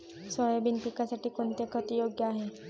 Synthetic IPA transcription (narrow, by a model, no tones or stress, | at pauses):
sɔjbinpikasaʈikont̪ekɔt̪ijoɡjaɦe